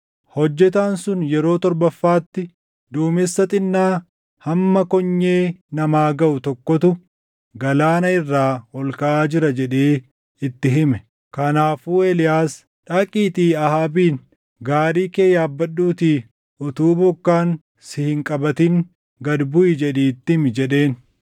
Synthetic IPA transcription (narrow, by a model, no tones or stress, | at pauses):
hɔd͡ʒːɛt̪̬aːnsʊnjɛɾo̞ːt̪ɔɾbɐfːaːt̪ːɪ | d̪uːmɪsːɐt̪ʼɪnːaː | hɐmːɐkɔɲːeːnɐmaːɡɐʔʊt̪ɔkːɔt̪ʊ | ɡɐlaːnɐɪrːaːɔlkɐʔaːd͡ʒɪɾɐd͡ʒɛᶑeː | ɪt̪ːɪɦɪmɛ | kɐnaːfuːelɪjaːs | ᶑɐkʼiːt̪iːɐhaːbiːn | ɡaːɾiːke̞ːjaːbːɐɗːuːt̪iː | ʊt̪uːbɔkːaːŋ | sɪhɪŋkʼɐbɐt̪ɪŋ | ɡɐd̪bʊʔɪd͡ʒɛᶑiːt̪ːɪmd͡ʒɛɗe̞ːn